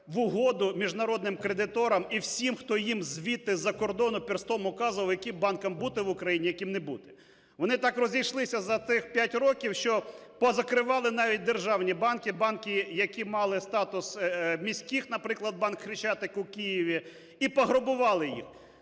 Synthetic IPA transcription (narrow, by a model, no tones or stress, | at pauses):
ʋʊɦɔd̪ʊmʲiʒnɐɾɔd̪nɪmkɾed̪ɪt̪ɔɾɐmiwsʲimxt̪ɔjimzʲʋʲit̪ɪzɐkɔrd̪ɔnʊpʲɪrst̪ˠɔmʊkɑzʊʋɐljɐkɪmbɑnkɐmbut̪ɪʋʊkɾɐjinʲijɐkʲimnebut̪ɪ̥ | ʋɔnɪt̪ɑkrɔzʲijʃlˠɪsʲɐzɐt̪ɪxpʲjatʲɾɔkʲiwʃt͡ʃɔ | pɔzɐkɾɪʋɑlˠɪnɑʋʲit̚ʲd̪erʒɑwnʲibɑnkɪbɑnkʲɪjɐkʲimɑlˠɪst̪ɑt̪ʊsmʲisʲkʲixnɐpɾɪklˠɐd̪̚bɑnkxɾɪt͡ʃɑt̪ɪkʊkʲijiʋʲi | ipɔɦɾɔbʊʋɑlˠɪjḭx